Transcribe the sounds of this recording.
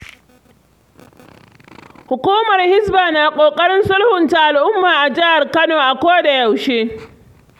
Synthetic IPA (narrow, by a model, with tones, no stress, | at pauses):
hʊ˨kʷuː˦mɐ˨rhɪ˦sbaː˨naː˨kʷʼoː˨kʼɐ˦ɽɪ˦nsʊ˦lhʊ˨nta˨ʔa˨lʔʊ˦mːaː˨ʔa˨d͡ʒɪ˦ha˨rkɐ˦noː˨ʔa˨kʷoː˦da˨jɐ˨wʃeː˦